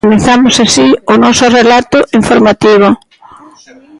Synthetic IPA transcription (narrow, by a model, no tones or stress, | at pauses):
mẽθamʊsasiʊnɔsʊrelat̪ʊʔiɱfoɾmat̪iβ̞ʊ